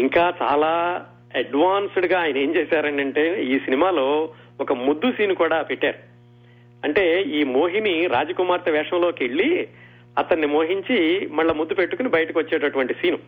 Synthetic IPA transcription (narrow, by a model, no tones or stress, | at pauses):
iŋkaːt͡ʃa̰ːlaː | ɐɖʋaːnsuɽɡaːjɐnɐe̞ːmt͡ʃeːsaːɾɐɳʈɐɳʈeːiːsinimaːlo̞ː | ɔkɐmud̪ːusiːnukuːɽaːpeʈːa̰ːɾu | ɐɳʈe̞ːiːmoːɦiniɾa̰ːd͡ʒɐkumaːɾt̪ɐʋɛːʂɐmlo̞ːke̞ɭːi | ɐt̪ɐnːimoːɦiɲt͡ʃimɐɭːɐmud̪ːupe̞ʈːukunibɐjɐʈɐkiʋɐt͡ʃːeːʈɐʈuʋɐɳʈisiːnu